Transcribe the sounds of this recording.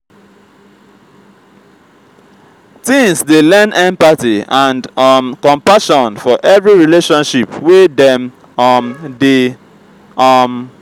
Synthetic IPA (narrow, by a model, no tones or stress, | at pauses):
tĩŋsdelɛ̃nɛ̃mpatiãndmkɔ̃mpaʃɔ̃nfɔʔɛvɹiɹileʃɔ̃nʃipwedɛ̃m | mde | m